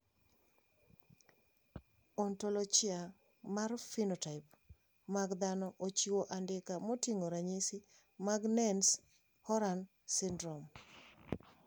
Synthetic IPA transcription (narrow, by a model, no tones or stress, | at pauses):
ontolot͡ʃɪa | marfinotaɪp | maɡd̪anɔʔot͡ʃiwoʔandɪkamotiŋoɾaɲisi | maɡnɛns | hɔɾan | sɪndɾɔm